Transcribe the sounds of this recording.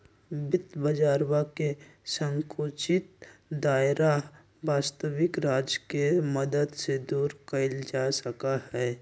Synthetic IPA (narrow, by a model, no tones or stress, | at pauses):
bɪt̪bəd͡ʒaːɾwakesə̃ŋkʰoːt͡ʃɪt̪̚d̪aːɪɾa | baːst̪əʋɪkɾaːd͡ʒkeməd̪əd̪sed̪uːɾkəɪld͡ʒaːsəkaɦɛː